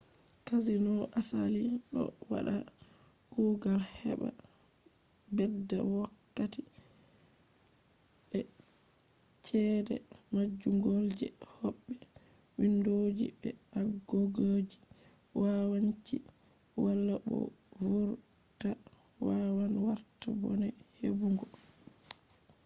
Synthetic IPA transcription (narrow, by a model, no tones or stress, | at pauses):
kazinɔʔasaliɗɔ̰wa̰ɗa | ɡ̥uɡalhɛ̰ɓa̰ | bɛdːa̰wakːati | ɓɛ | t͡ʃɛːdɛ̰ | mad͡ʒːuŋɡold͡ʒɛ̰hoɓːi | windod͡ʒibɛaɡoɡoːd͡ʒi | wawant͡ʃi | walːabɔ̰ | wuɾta | wawanwaɾtabɔ̰nɛ | hḛbuŋɡɔ